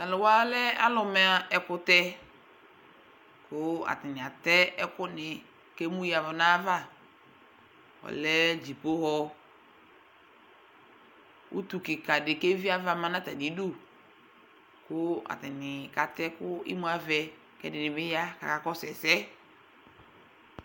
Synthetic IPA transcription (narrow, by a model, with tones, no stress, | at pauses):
na˨lʊ˨wa˦lɛ˦a̰˦lʊ˨mɛ˦ɛ˨kʊ˦tɛ˦ | kʰʊ˦a̰˨tɪ˨nɪ˨a˨tɛ˦ɛ˦kʊ˦nɪ˨ | kɛ˦mu˦ji˦a˨vʊ˨na˦va˦˨ | ɔ̰˨lɛ˦d͡ʒi˨po˦hɔ˦ | ṵ˦tu˨kɪ˨ka˨dɪ˨ke˦vi˦a˦va˨mã˦nã˦ta˨ni˨˦du˦˨ | kʊ˦a̰˨tɪ˨nɪ˨ka˨tɛ˦kʊ˦ɪ̰˦mu˦a˨˦vɛ˨ | kɛ˦dɪ˨nɪ˨bɪ˦ja˦ka̰˨ka˨kɔ˦sɛ˨sɛ˦